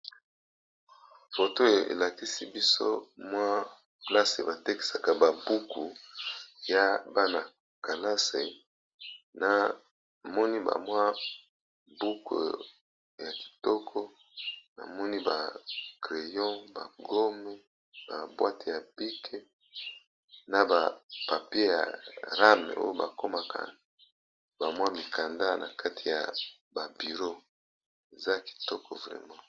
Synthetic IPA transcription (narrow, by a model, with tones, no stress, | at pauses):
fo˨to˦e˨ḛ˨la˨ki˦si˦bi˦so̰˦mwa˦ | pla˦sḛ˨ba˨te˦ki̥˦sa˨ka˨ba˨bu˦ku˨ | ja˦ba˦na˨ | ka˨la˦sḛ˨ | na˨ | mɔ˦ni˦ba̰˨mwa˦ | bu˦kʰo̰˨ | ja˨ki̥˨tɔ˦kʰɔ˦ | na̰˨mɔ˦ni˦ba˨kʁe˨jɔ̃˦ba̰˨ɡo˦mɛ˦ | ba˨bwa˦te˨ja˨bi˦kʰe˦ | na˨ba˨pa˨pje˦ja̰˨ʁa˦mḛ˨ʔo̰˦jo˦ba˨ko˦ma˨ka̰˨ | ba˨mwa˦mi˨ka˨nda˦na̰˨kʰa˦tʰi˨ja̰˨ | ba˨bi˨ʁo˦ | e˨za˦ki̥˨tɔ˦kʰɔ̰˨vʁɛ̰˨mã˦